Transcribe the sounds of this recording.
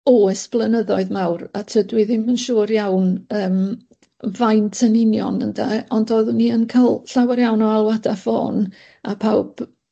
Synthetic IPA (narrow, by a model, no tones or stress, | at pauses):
ɔɛsb̥lˠənəðɔɨðmawɾatʰədwɪðɪmənʃuːrjawnəːm | vajntʰənɪnjɔ̰nəndaɔndoːðunːiənkʰalˠɬawaɾjawnɔalˠwadafo̰ːn | apʰawb̥